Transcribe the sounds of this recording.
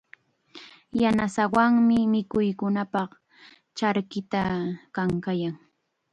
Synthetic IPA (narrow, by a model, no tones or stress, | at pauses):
janasawaŋmɪmɪkʊjkʊnapɑχ | t͡ʃaɾkɪt̪akaŋkajaŋ